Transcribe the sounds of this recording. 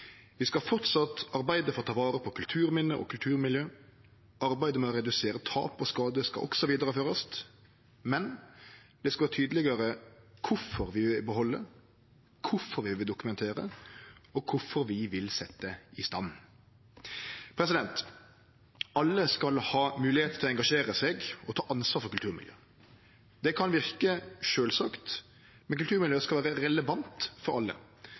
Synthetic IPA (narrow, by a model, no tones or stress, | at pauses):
ʋɪskɑfɔt̪sɑt̪ɑɾbæɪd̪əfɔɾɔt̪ʰɑːʋɑːɾəpʰɔkʰʉlt̪ʰʉːɾmɪnːəʔɔ̰kʰʉlt̪ʰʉːɾmɪljøː | ɑɾbæɪd̪əmɛɔɾɛd̪ʉseːɾət̪ʰɑ̰ːpɔskɑːd̪əskɑ̰ʔɔ̰ksɔʋiːd̪əɾəføːɾəst̪ | mɛnd̪̥ɛskɑʋɑːt̪ʰyːd̪əlɪɡəɾəkʰʊfɔɾʋɪbəɦɔlːə | kʰʊfɔɾʋɪʋɪld̪ʊkʉmɛnt̪ʰeːɾə̰ɔkʰʊfɔɾʋɪʋɪlsɛt̪ːəɪst̪ɑn | pʰɾɛs̬ɪd̪ɛnt̪ | ɑlːəskɑlhɑːmʉːlɪheːt̪ət̪ʰɪlɔɛŋɡɑʂeːɾəsɛɡɔt̪ʰɑːʔɑnsʋɑːɾfɔɾkʉlt̪ʉːɾmɪ̰ljø̰ː | d̪ɛkʰɑnʋɪʁkəʃøːlsɑːkt̪ | mɛnkʉlt̪ʰʉːɾmɪljøːskɑlʋæːɾəɾɛləʋɑnt̪fɔɾɑlːə̰